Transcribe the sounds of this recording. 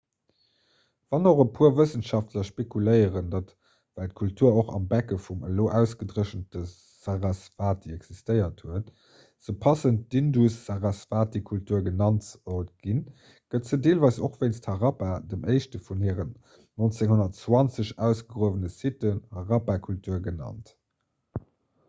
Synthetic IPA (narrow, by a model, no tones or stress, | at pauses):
v̥ɑnoχəpʰuːɐvəsənʃɑftlɐʃpekuləɪəʁəndɑt | vælt̚kʰultʰuːɐoχɑ̰mbækəfumə̰loːʔæʊsɡ̥ədʁəʃəntə | z̥aʁɑsfaːt̚diɛɡz̥istəɪɐthuət | z̥əpʰɑsənt̚d̥indusːaʁɑsfaːtikʰultʰuːɐɡənɑntotɡ̥in | ɡ̥ətzədeːlvɑɪsoχv̥eɪnsthɑʁɑpadəmʔɜɪʃtəfunhiːəʁənː | ont͡seŋhonɐtt͡swɑnt͡səɕæʊsɡ̥əɡʁuəvənəsitənhɑʁɑpakʰultʰuːɐɡənɑ̰nt